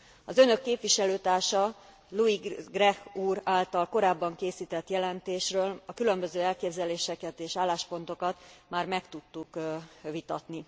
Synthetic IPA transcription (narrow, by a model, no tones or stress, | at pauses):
ɒzø̞nø̞kːeːpʋiʃɛløːt̪aːrʃɒ | luiɡrɛhuːraːlt̪ɒlko̞ɾaːbːɒŋkeːsiːt̪ɛt̪jɛlɛnt̪eːʃrøːlɒkylø̞mbø̞zøːɛlkeːbzɛleːʃɛkɛt̪eːʃaːlːaːʃpo̞nt̪o̞kɒt̪maːrmɛkt̪ut̪ːukʋit̪ɒt̪ni